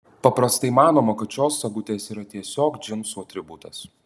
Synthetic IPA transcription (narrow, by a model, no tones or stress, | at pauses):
pɐpɾɐst̪ɐɪmɑːnoːmɐkɐt̪ʃʲoːsːɐɡʊt̪ʲeːsiːɾɐt̪ʲiɛsʲoːkd͡ʒʲɪnsuːɐt̪ʲɾʲɪbut̪ɐs